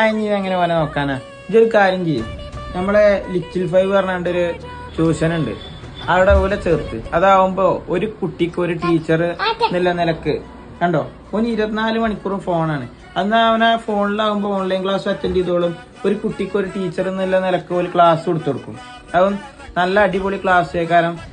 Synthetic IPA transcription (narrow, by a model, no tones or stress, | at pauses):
ajɐniːɐŋːɐneʋɐlɐnoːkːaːnaː | id͡ʑo̞ɾukaːɾjɐmt͡ɕejṵmnɐmːɐɭelik̚t͡ɕːilfɐjʋɨɐrnaːɳɖo̞ɾu | t͡ɕuːɕɐnuɳɖɨ̰ | ɐʋuɽeoːlɐt͡ɕeːrt̪ːɨɐðaːɣumbo̞ːoɾukuʈːikʲːɨo̞ɾuʈiːt͡ɕːɐrɨnilːɐnilɐkːɨ | eɳɖo̞̰ː | oniɾuɐt̪ːɐnaːlɨmɐɳikʲːurumfo̞ːɳaːɳɨ̰ | ɐðnːaɐʋɐnafo̞ːɳilːaːɣumbo̞ːoːnlɐjnkɭaːsɐtːɐndiðoːɐɭum | o̞ɾukuʈːikʲːo̞ɾuʈiːt͡ɕːɐrɨnilːɐnilɐkːɨoɾukɭaːsɨkoɽut̪ːoɽukːṵm | ɐðum | nɐlːɐːɽiboːɭikɭaːsɨeːkːaːɾɐm